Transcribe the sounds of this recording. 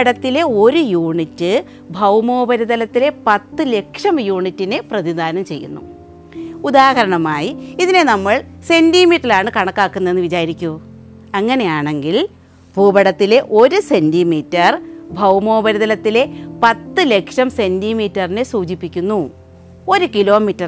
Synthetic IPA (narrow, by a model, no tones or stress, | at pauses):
ɐɽɐt̪ːile̞o̞ɾujuːɳitːɨ | bʱɐwmo̞ːbɐɾiðɐlɐt̪ːile̞pɐt̪ːɨle̞kʂɐmjuːɳitːineprɐðid̪ʱaːnɐmt͡ɕe̞jːṵnːṵ | ud̪aːɦɐɾɐɳɐmaːjiiðine̞nɐmːɐɭ | se̞ndimiːʈrilaːɳɨkɐɳɐkːaːkːunːɐe̞nːɨʋit͡ɕaːɾɾikʲːu | ɐŋːɐne̞jaːɳe̞ŋɡil | bʱuːbɐɽɐt̪ːile̞ʔo̞ɾuse̞ndimiːtːɐrbʱɐwmo̞ːbɐɾuðɐlɐt̪ːile̞pɐt̪ːɨle̞kʂɐmse̞ndimiːtːɐrinesuːd͡ʑipːikʲːunːu | o̞ɾukilo̞ːmitːɐr